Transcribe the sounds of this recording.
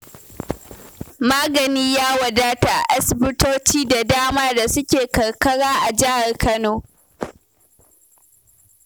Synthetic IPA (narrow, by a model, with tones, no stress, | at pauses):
maː˦ɡɐ˨niː˦jaː˦wɐ˨daː˦ta˨ʔa˦sɪ˨bɪ˦toː˦t͡ʃiː˦da˨daː˦maː˦da˨sʊ˦kʲeː˨kɐ˨ɽkɐ˦ɽaː˦ʔa˨d͡ʒɪ˦ha˨rkʰɐ˦noː˦